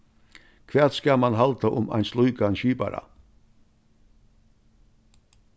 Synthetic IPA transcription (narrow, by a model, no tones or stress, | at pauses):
kʰʋeːt̪skaːlmanɦalt̪aʔʊma̰jnslujkanʃiːpa̰ɾa̰